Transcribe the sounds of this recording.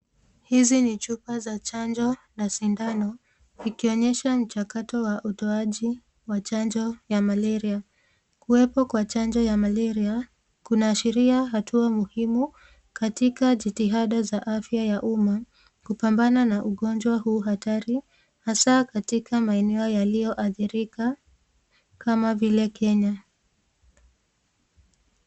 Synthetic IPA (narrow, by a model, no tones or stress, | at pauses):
hizinit͡ʃupazat͡ʃand͡ʒɔnasindanɔ | ikiɔɲɛʃam̩t͡ʃakatɔwaʔutɔaʄi | wat͡ʃand͡ʒɔjamalɛɾia | kuɛpɔkwat͡ʃand͡ʒɔjamalɛɾia | kunaːʃiɾiaɦatʰuamuhimu | katikaʄitiɦaɗazaʔafjajaʔuma | kupambananaʔuɠɔnd͡ʒwahuːɦataɾi | hasakatikʰamaɛnɛɔjalijɔʔaθiɾika | kʰamavilɛkʰɛɲa